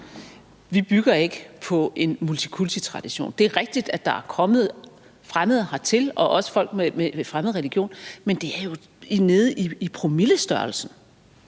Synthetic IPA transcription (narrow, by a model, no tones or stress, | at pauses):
ʋib̥yɡ̥ɐe̝ɡ̥əpʰɒ̽e̝nmult͡sʰi̥kʰult͡sʰit͡sʰʁɑ̈d̥iɕo̝̰ːnd̥e̝æɐʁɛɡ̥̚d̥id̥æd̥ɑ̈æɐkʰɒ̽mð̞̩ˠ | fʁaməð̞̩ˠhɑ̈t͡sʰe̝lɒ̽ʔɒ̽sə̥fɒ̽l̰ɡ̥̚memefʁaməð̞̩ˠʁeliɡ̥jo̝̰ːnmend̥e̝æɐjo̝ | ine̝ð̩ˠʔiipʰʁomiləsd̥ɶɐlsn̩